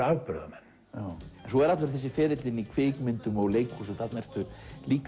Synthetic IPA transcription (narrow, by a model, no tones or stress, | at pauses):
avpɾœ̰ða̰mɛnː | jaːwɛnsɔɛɾat̪lvɛɾθɛs̬ːɪfɛːɾɪt̪lɪnikʰveːjkmɪnt̪ʏmɔɣleːjkʰusɛθat̪nɛr̥t̪ʏliːk